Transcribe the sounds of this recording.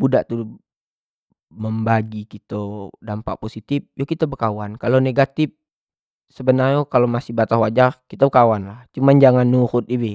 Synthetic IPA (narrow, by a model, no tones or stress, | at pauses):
budaʔt̪u | məmbaɡikit̪odampa̰ʔposit̪ip̚jokit̪abəkawankaloneɡat̪ɪp̚ | səbənarɲokalomasɪhbat̪ahwad͡ʒarkit̪abəkawanlaht͡ʃumand͡ʒaŋanːuxʊt̪̚ibi